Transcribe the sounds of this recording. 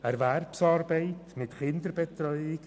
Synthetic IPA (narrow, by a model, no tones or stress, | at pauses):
əɾvɛrpsarbeɪtʰmɪtχɪndəɾbɛtʰɾɔjɪɡ